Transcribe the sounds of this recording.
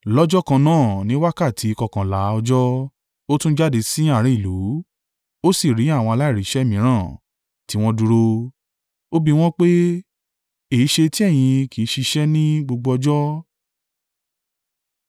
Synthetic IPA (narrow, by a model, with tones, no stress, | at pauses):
lɔ˦d͡ʒɔ˦kã˧nãː˦˨nĩ˦wa˦ka˦˨tʰi˨˦˧kɔ˧kã˨la˨˦ɔ˧d͡ʒɔ˦ | o˦tũ˦d͡ʒa˦˨de˧sĩ˦a˦˨ɾ̃ĩ˨˦i˦˨lu˨˦ | o˦si˦˨ɾi˨˦a˦˨w̃ɔ̃˧a˧la˦i˦˨ɾi˨˦ʃɛ˦mĩ˨˦ɾ̃ãː˦˨ | ti˨˦w̃ɔ̃˦du˧ɾo˧ | o˦bi˧w̃ɔ̃˦k͡pe˦ | e˨i˦ʃe˧ti˦ɛ˦˨j̃ĩ˧ki˨˦ʃi˧ʃɛ˦nĩ˦ɡ͡bo˧ɡ͡bo˧ɔ˧d͡ʒɔ˦